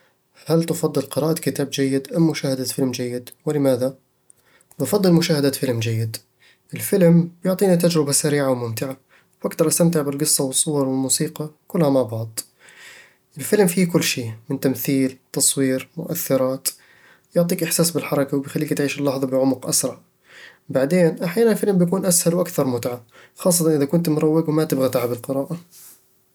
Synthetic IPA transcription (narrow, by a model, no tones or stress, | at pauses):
halt̪ʊfɑd̪ˤːɨlqɪɾɑːʔakɪt̪aːbd͡ʒajːɪd̪ʔamːʊʃaːhad̪afɪlmd͡ʒajːɪd̪wɪlɪmaːða | mʊfɑd̪ˤːɨlmʊʃaːhad̪aːt̪fɪlmd͡ʒajːɪd̪ | ʔɪlfɪlmbjʊʕt̪ˤiːnit̪ad͡ʒɾɪbasaɾiːʕawmʊmt̪ɪʕa | wʔaɡt̪ɑɾˤʔast̪amt̪ɪʕbɪlɡɨsˤːɑwɨsˤːʊwɑɾˤwɪlmuːsiːqɑkʊlːhamaʕbɑʕd̪ˤ | ʔɪlfɪlmfiːkʊlːʃiːmɪnt̪amθiːlt̪ɑsˤwiːɾmʊ̰ʔaθːɪɾˤɑːt̪ | jʊʕt̪ˤiːkʔɪħsaːsbɪlħɑɾˤɑkawbɪjxalːiːkt̪ʕiːʃɪlːɑħðˤɑbɪʕʊmʊqʔa̰sɾˤɑʕ | baʕd̪eːnʔaħjaːnanɪlfɪlmbjakuːnʔashalwʔakθɑɾˤmʊt̪ʕaxɑːsˤːɑt̪ɑnʔɪðakʊnt̪mʊɾˤɑwːɪɡwmat̪ɪbɣat̪aʕabɪlqɪɾɑːʔa